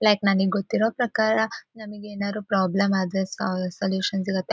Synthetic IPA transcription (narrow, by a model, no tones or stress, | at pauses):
lɐjknaːniɡɡot̪ːiɾoːpɾɐkaːɾɐnɐmɐɡeeːnaːɾupɾaːblemaːd̪essɐljuːʃɐnsiɡɐt̪ːe